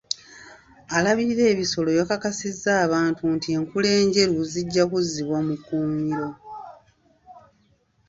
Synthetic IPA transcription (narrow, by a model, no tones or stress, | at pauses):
alaβiɾe̞ːβiso̞lo̞jokakasizːaːβaːntuntie̞ŋkule̞ːɲɟe̞ɾuziɟːakuziβwamukuːmiɾo̞